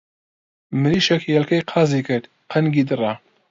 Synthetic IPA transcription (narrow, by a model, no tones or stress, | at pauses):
mɨɾiːʃɛkjɛlkɐjqʰɑːzikɨɾd̪ | qʰɐnɡiːd̪ɨrɑ